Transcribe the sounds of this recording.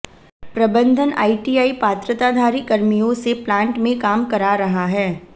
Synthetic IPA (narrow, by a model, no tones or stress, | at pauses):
pɾɐbə̃nd̪ʱəna̰ːiʈiːaːipaːt̪ɾət̪ad̪ʱaːɾikɐɾmijõseplãːɳʈmẽkaːmkɐɾaɾɐɦaɦɛː